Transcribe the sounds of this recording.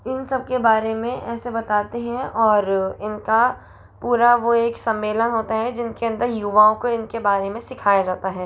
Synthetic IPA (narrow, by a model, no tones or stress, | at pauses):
ɪnsɐb̚kebaːɾemẽʔɛːsebɐt̪aːt̪eɦɛ̃ɔːɾɪnka | puːɾaʋoeːksɐ̃mːeːlənɦoːt̪aɦɛd͡ʒɪnkeɐ̃nd̪əɾjuʋaːõkoɪnkebaːɾemẽsɪkʰaːjad͡ʒaːt̪aɦɛː